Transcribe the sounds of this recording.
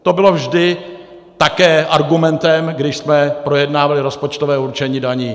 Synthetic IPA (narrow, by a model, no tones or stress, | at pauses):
t̪o̞bɪlo̞vʒdɪ | t̪akɛːʔaɾɡumɛnt̪ɛmɡdɪʃsmɛpɾo̞jɛdnaːvalɪɾo̞spot͡ʃt̪ovɛːuɾt͡ʃɛɲiːdaɲiː